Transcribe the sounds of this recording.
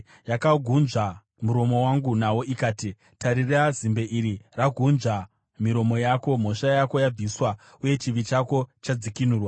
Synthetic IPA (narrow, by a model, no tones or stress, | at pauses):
jakaɡʱunʐa | muɾo̞mo̞waŋɡunawo̞ʔikaːti | taɾirazimbe̞ʔiɾiraɡʱunʐa | miɾo̞mo̞jaːko̞m̤o̞ʃajako̞jab͡viswa | uje̞t͡ʃiʋit͡ʃako̞t͡ʃad͡zikinuːrwa